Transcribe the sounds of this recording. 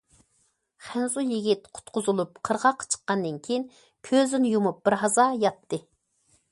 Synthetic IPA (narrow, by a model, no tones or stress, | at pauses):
χænzujiɡʲit̪qʰʊ̥t̪qʊzulˠup̚qʰəɾʁɑqʰːɑ̥t͡ʃʰə̥qːɑnd̪ɨnkʲʰejin | kʲʰøzɪnjumup̚b̥ɪɾɦɑzɑjɑt̪ʰːɨ